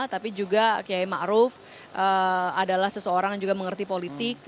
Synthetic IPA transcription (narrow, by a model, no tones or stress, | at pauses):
t̪apid͡ʒuɡakəjajma̰ʔɾʊf | ʔəadalahsəsəoɾaŋd͡ʒuɡaməŋərt̪ipolit̪ɪk̚